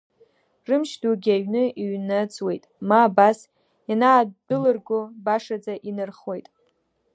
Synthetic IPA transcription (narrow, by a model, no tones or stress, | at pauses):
rɨmʃduɡʲaɥnɨiɥnat͡sʼwe̞jtʼmaːbas | janaːdɨlɨrɡʷʊbaʂad͡zaʔinɨrχwe̞jtʼ